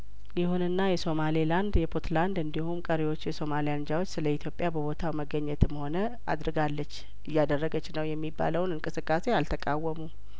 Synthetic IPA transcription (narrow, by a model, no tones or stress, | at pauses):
jɪhunɨnːajɛso̞maliland̪jɛpʰot̪ʰland̪ɨnd̪ihumkʼəɾiwo̞t͡ʃːjɛso̞malijand͡ʒawo̞t͡ʃːsɨləit̪ʰjo̞pʼjabəβo̞t̪ʰawməɡːəɲːɛt̪ɨmho̞nə | a̰d̪ɾɨɡalːət͡ʃː | ɨjːad̪ərːəɡət͡ʃːnəwjɛmːibːa̰ləwnɨŋkʼɨsɨkʼːase̞alt̪ʰəkʼawːəmu